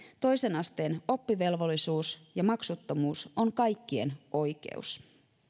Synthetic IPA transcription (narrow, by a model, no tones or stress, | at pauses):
t̪o̞jse̞nɑst̪e̞ːno̞pːiʋe̞lʋo̞lːisuːsjɑmɑksut̪ːomuːso̞ŋkɑjkːiḛnʔo̞jke̞̰ṵs